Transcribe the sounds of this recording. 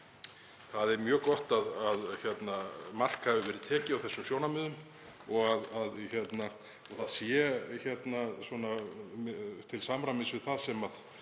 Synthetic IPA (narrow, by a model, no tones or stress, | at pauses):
θaðɛɾmjœːkɔht̪aðaðçɛt̪namar̥khavɪvɛːɾɪt̪ʰɛːcɪawθɛsːʏmsjoːwnamʏːðʏm | ɔɣaðaðçɛt̪na | θaðsjɛçɛt̪naswɔna | t̪ʰɪlsaːmɾamɪsvɪðθaðsɛmað